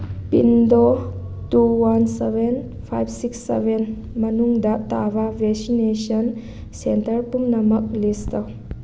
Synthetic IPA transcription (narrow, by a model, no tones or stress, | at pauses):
pḭndo | tuwanseben | pʰajbsiksːḛben | mɐnuŋdatababʱeksinesɐn | sentɐɾpumnɐmɐk̚listaw